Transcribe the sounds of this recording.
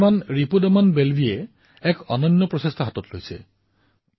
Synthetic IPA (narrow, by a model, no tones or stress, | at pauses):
manɹipudɔmanbelbʱie | ɛkɔnɔnːɔpɹɔsestʰɔɦatɔtlojsɛ̰